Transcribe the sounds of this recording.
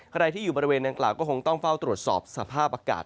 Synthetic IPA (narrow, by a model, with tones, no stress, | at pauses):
kʰɾa˧jt̪ʰiː˥˩juː˨˩bɔː˧ɾi˧weː˧nda˨˧ŋklaː˨˩wkɔː˥˩kʰo˧ŋt̪ɔ˥˩ŋfa˥˩wt̪ɾu˨˩ət̪̚sɔ̰ː˨˩p̚sa˧pʰaː˥˩p̚ʔaː˧ka̰ː˨˩t̪̚